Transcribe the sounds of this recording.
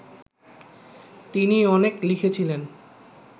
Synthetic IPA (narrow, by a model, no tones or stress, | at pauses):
t̪iniɔneklikʰet͡ɕʰilen